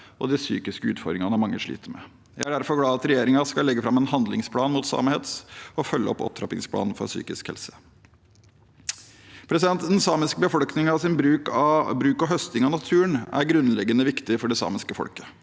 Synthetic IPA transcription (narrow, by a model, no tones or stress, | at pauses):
ʔɔ̰d̪ɪsy̰ːkɪskəʉːt̪fɔɾmɪŋɑnəmɑŋːəʂɭḭːt̪əɾmɛ̰ | jæ̰ɪæɖæɾfɔɾɡlɑːɑt̪ɾɛjeːɾɪŋɑskɑllɛɡːəfɾɑmɛnɦɑnd̪lɪŋspʰlɑːnmuːt̪sɑ̰ːməhɛt̪sɔfœlːəɔ̰pːɔ̰p̚t̪ʰɾɑpɪ̰ŋspʰlɑ̰ːnn̩fɔ̰ɾsy̰ːkɪskhɛ̰lsə̥ | pʰɾɛsɪd̪ɛnt̪d̪ɛnsɑːmɪskəbəfɔlknɪŋɑʋsɪnbɾʉːkɑbɾʉːkɔɦœst̪ɪŋɑnɑt̪ʰʉːənæ̰ɾɡɾʉnlɛɡːənəʋɪkt̪ɪfɔɖɛsɑ̰ːmɪskəfɔ̰lkə̥